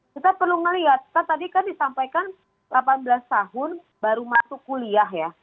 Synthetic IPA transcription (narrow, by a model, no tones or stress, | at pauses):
kit̪apərluŋəliɦat̪̚kat̪adikandisampajkan | lapanbəlast̪aɦʊn | baɾumat̪ukuliaɦja